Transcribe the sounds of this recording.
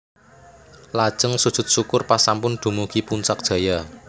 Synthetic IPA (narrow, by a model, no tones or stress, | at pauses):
lad̥ʒ̥ə̤ŋsud̥ʒ̥ʊ̤t̪̚sukʊrpasampʊnd̪̥ṳmuɡ̥ipuɲt͡ʃak̚d̥ʒ̥ä̤ja